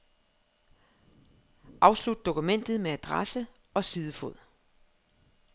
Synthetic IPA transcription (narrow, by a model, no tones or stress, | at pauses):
ʔɑ̈ʊslud̥̚d̥o̝kumen̰d̥ð̩ˠmeæd̥ʁasə | ɒ̽siːðˠəfoð̰ˠ